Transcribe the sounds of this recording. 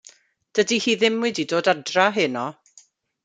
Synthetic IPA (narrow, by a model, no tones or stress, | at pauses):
d̥ədihiːðɪmwɨdidoːdadraɦɪnɔ